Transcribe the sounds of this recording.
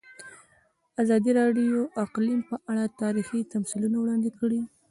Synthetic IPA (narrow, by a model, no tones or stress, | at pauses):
azɑd̪iɾɑɖijoʔaqlimpəʔaɽat̪ɑɾixit̪amsilunawɽɑnd̪ɪkəɽi